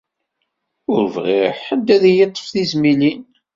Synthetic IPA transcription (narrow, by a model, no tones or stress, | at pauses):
ʊɾvʁiħəd̪ːæðjət̪ˤːə̥fθizmilin